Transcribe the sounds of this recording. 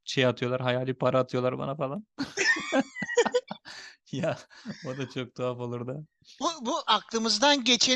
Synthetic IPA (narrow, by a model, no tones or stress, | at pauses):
ʃʰejat̪ʰɯjo̞lˠaɾɦajaːlʲipʰaɾaːt̪ʰɯjolˠaɾba̰nafalˠan | jaod̪at͡ʃʰo̞k̚t̪ʰoafo̞lˠuɾd̪a | bubuʔaklˠɯmɯzd̪anɟe̞t͡ʃʰe